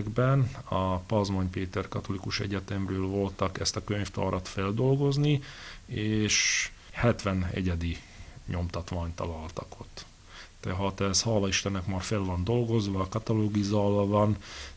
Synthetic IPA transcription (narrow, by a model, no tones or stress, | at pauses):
ɡbɛnɒpɒzmoɲpeːt̪ɛrkɒt̪o̞likuʃɛ̰ɟɛt̪ɛmrøːlvo̞lt̪ɒkɛst̪ɒkøɲft̪ɒ̰ːɾʔɒt̪fɛld̪o̞lɡo̞znieːʃhɛt̪ʋɛnɛ̰ɟɛd̪i | ɲo̞mt̪ɒt̪ʋaːɲt̪ɒ̰lɒlt̪ɒko̞t̪ː | d̪ɛɦɒt̪ɛshɒːlɒiʃt̪ɛnɛkmɒːrfɛlvɒnd̪o̞lɡo̞zʋɒkɒt̪ɒloːɡizɒɒvɒn